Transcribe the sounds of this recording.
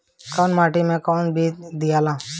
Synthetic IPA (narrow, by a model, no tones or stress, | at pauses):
kɔːnmaːʈimẽkɔːnbʱiːd̪ijaːlãː